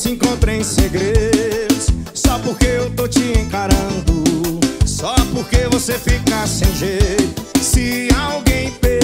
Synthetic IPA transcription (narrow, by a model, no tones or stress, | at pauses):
sɪĩkõnt̪ɾẽj̃seɡɾed̪ʊsː | ɔpoɾkeewt̪ot͡ʃiẽkaɾɐ̃d̪ʊsɔpoɾkevosefikasẽj̃ʒet̪ʊsɪawɡẽj̃pe